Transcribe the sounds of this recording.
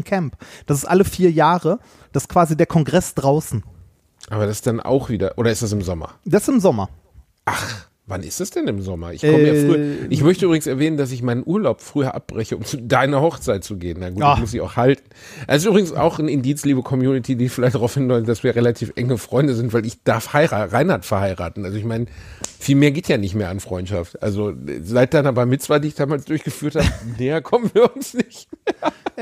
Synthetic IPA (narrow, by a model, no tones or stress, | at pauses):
nkʰɛmpd̥asɪ̥stʔaləfiːɐjaːʁə | d̥aɪskv̥aːzideːɐkʰɔnɡʁɛsd̥ʁaʊsn̩ | ʔaːbɐɾasd̥anʔa̰ʊxv̥iːdɐʔoːɾɐɪstas̬ɪmzɔmɐ̰d̥asɪmzɔmɐ | ʔaχ | vanɪ̰stasd̥ɛnɪmzɔmɐ̰ʔɪçkɔməjafʁyːɐʔɪçmœçtəʔyːbʁɪɡŋsɛɐvɛːnəndas̬ɪçmaɪnənʔuːɐlaʊpfʁ̥yːɐʔa̰p̚b̥ʁɛçəʊmt͡sudaɪnɐhɔχt͡saɪt̚t͡suɡeːənːaɪnɡuːmʊs̬dɪça̰ʊxhaltn̩ʔɛsɪs̬ʔyːbʁɪɡŋ̩sa̰ʊxn̩ɪndiːt͡sliːbəkʰɔmjuːnɪtʰiːdiːfɪlaɪçtaʁaʊfhɪnlɔʏzd̥asv̥iːɐʁelatʰiːfʔɛ̰ŋəfʁ̥ɔʏndəzɪntv̥aɪlɪçd̥aɐfhaɪʁaːʁaɪnhaːtfɛɐhaɪʁa̰ːtn̩ʔalzoɪçmaɪnəfiːlmeːɐɡeːtʰjaːnɪçtmeːɐanfʁ̥ɔʏntʃa̰ftʔalzozaɪt̚d̥aɪnabaɪmɪt͡sv̥aɪdiːɪçd̥aːmaːlsd̥ʊɐçɡ̥əfyːɐthaːbəneːɐkʰɔmən̩viːɐʊnsnɪç